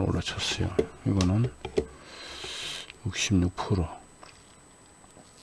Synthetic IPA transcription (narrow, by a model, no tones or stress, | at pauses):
o̰lat͡ɕʰʌs͈ʌjo̰hiɡʌnɯn | juk̚ɕimɲuk̚pʰuɾo